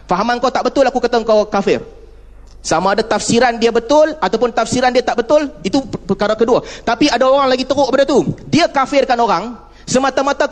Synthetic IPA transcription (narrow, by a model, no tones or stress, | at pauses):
faɦamankat̪aʔbət̪ʊlakukat̪aŋkawkafɪr | samaːdat̪afsiɾandiabət̪ʊlat̪awpʊnt̪afsiɾandiat̪aʔbət̪ʊlit̪upəkaɾakəduat̪apiadaoɾaŋlaɡit̪əɾʊʔkəpadat̪udiakafɪrkanoɾaŋ | səmat̪amat̪a